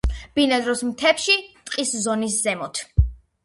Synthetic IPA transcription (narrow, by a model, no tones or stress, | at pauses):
b̥inad̪ɾɔsmt̪ʰɛpʃit̪ʼqʼiszɔniszɛmɔt̪ʰ